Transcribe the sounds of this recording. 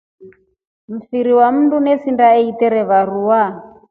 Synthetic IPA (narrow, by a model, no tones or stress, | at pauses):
m̩fiɾiwam̩ndunɛsindaɛitɛɾɛβaɾuwa